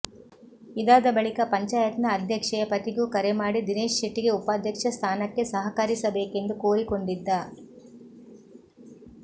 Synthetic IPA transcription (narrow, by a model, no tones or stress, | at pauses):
id̪aːd̪ɐbɐɭikɐpɐɲt͡ʃaːjɐt̪nɐːd̪ʱjɐkʂɐjɐpɐt̪iɡuːkɐɾemaːɽid̪ineːʃːiʈːiɡe̞upaːd̪ʱjɐkʂɐst̪ʰaːnɐkːe̞sɐɦɐkɐɾisɐbeːke̞nd̪ukoːɾiko̞ɳɖid̪ːɐ